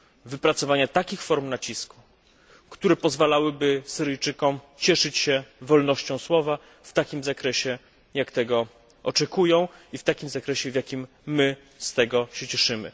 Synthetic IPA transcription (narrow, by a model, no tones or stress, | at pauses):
vɘpɾat̪sɔvaɲat̪akʲixfɔɾmnat͡ɕisku̥ | kt̪uɾɛpɔzvalawɘbɘsɘɾɘjt͡ʂɘkɔmt͡ɕɛʂɘt͡ɕɕɛvɔlnɔɕt͡ɕɔ̃w̃swɔva | ft̪akʲimzakɾɛɕɛ | jakt̪ɛɡɔ | ɔt͡ʂɛkujɔ̃w̃ift̪akʲimzakɾɛɕɛvʲjakʲimː | ɘ | st̪ɛɡɔɕɛt͡ɕɛʂɘmɘ̰